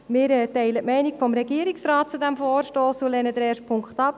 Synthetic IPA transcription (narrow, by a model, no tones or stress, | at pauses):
mɪːɾɛːtɛɪlətmɛɪnɪkfɔmɾɛɡiːəɾiksɾɑːt̚t͡sudæmfoːɾʃtoːsulɛnəd̪əɾɛːɾʃpʰʊŋkχtɑp̚